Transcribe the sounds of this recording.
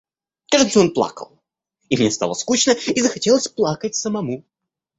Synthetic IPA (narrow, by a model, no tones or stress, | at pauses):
kaʐd̪t̪səo̞nplˠa̰kə̰lˠ | imnʲest̪a̰lˠəskut͡ɕnəizəxɐtʲe̞lˠəsʲplˠakət̚ʲsəmɐmu